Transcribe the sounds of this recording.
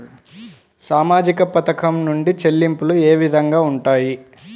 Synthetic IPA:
saːmaːd͡ʒikɐpɐt̪ɐkɐmnuɳɖit͡ʃe̞lːimpulueːʋid̪ʱɐŋɡaːuɳʈaːji

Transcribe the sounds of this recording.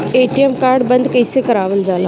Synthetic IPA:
eːʈijemkaːɾɖbənd̪kəjsekɐɾaːʋəld͡zaːla

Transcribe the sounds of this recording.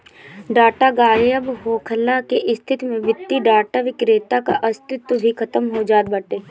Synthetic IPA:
ɖaːʈaɡaːjəbɦoːkʰəlakeʔɪst̪ʰɪt̪mẽʋɪt̪ːiɖaːʈaʋɪkɾeːt̪akaʔɐst̪ɪt̪wəbʱikʰɐt̪əmɦod͡ʒaːt̪̚bɐʈeː

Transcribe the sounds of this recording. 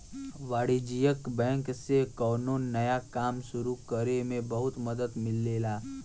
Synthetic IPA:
ʋaːɽid͡ʒijəkbɛ̃ːŋksekɔːnuːnːɐjakaːmʃʊɾukəɾemẽbəɦʊt̪məd̪əd̪mɪlːeːlaː

